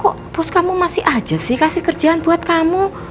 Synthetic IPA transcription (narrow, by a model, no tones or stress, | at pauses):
kɔʔpɔskamumasɪhḁʒ̥a̤sɪhkasɪhkərd̥d͡ʒ̥aanb̥uat̪̚kamu